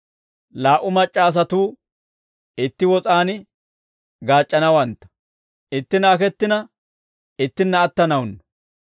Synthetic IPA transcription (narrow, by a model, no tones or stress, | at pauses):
laːʔʊmɐt͡ʃʼːaːs̬ɐt̪uː | ɪt̪ːɪwɔt͡sʼaːnɪ | ɡaːt͡ʃʼːɐnɐwɐnt̪ːɐ̥ | ɪt̪ːɪnɐːkɛt̪ːɪnɐ | ɪt̪ːɪnːɐːt̪ːɐnɐwnːɐ